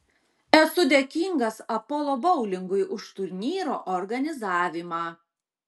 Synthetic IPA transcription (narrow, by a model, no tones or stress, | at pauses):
ɛsʊd̪ʲeːkʲiŋɡɐsɐpɔːlˠɔːbɒʊlʲɪŋɡʊjʔʊʃt̪ʊɾʲnʲiːɾo̰ːʔɔɾɡɐnʲɪzɑːʋʲɪmɑː